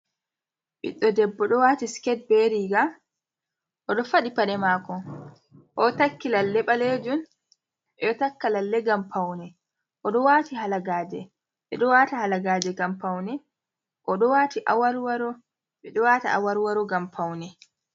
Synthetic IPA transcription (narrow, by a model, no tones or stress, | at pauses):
ɓḭɗːɔdɛbːɔɗɔwatiskɛt̚bɛɾiɡa | ʔɔɗɔfaɗipaɗɛmaːkɔ | ʔɔtakːilalːɛɓaled͡ʒun | ɛɔtakːalalːɛɡampawnɛ | ʔɔɗɔwatiɦalaɡaːd͡ʒɛ | ɓɛ̰ɗɔwatahalaɡaːd͡ʒɛɡampawnɛ | ʔɔɗɔwaːtiʔawaɾwaɾɔ | ɓɛɗɔwataa̰waɾwaɾɔɡampʰawnɛ